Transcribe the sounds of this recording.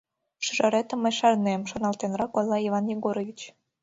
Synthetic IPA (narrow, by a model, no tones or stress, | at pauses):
ʃyʒɑɾet̪ə̆mːəjʃɑrnemʃonɑlt̪enrɑkojlˠːɑivɑnjeɣoɾovʲit͡ɕ